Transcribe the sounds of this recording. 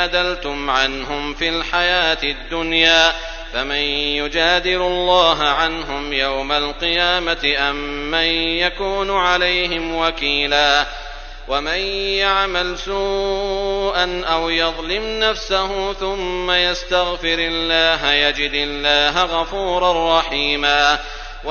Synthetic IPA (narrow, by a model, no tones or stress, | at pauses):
ad̪alt̪ʊmʕanɦʊmfilħajaːt̪ɪd̪ːʊnjaː | famɪnjʊd͡ʒaːd̪ɪlʊlˤːɑːɦaʕanɦʊmjawmalqɨjaːmat̪ɪʔamːanjakuːnʊʕalajɦɪmwakiːlaː | wamanjaʕmalsuː | ʔanʔawjɑðˤlɪmnafsahʊθʊmːajast̪aɣfɪɾɪlːaːɦajad͡ʒɪd̪ɪlːaːɦaɣɑfuːɾˤɑrˤːɑħiːmaː | w